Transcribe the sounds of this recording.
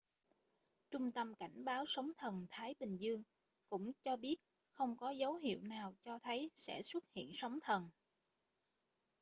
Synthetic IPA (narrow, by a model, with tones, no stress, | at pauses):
t͡ɕʊ˧ŋ͡mt̪ə˧mka˧˩jŋ̟ɓaː˨˦wsə˨˦wŋ͡mt̪ʰə˨˩nt̪ʰaː˨˦jɓï˨˩ŋ̟zɨ˧əŋ | kʊ̰˧˥ŋ͡mt͡ɕɔ˧ɓi˦˥ət̚ | xə˧wŋ͡mkɔ˨˦zə˨˦wɦḭ˧˨əwnaː˨˩wt͡ɕɔ˧t̪ʰə˨˦jsɛ̰˧˥swə˦˥t̚hḭ˧˨ənsə˨˦wŋ͡mt̪ʰə˨˩n